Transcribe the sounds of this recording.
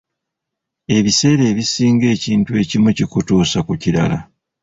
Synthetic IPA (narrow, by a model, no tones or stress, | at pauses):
e̞βise̞ːɾe̞ːβisiːŋɡe̞ːciːntue̞ːcimucikutuːsakuciɾa̰la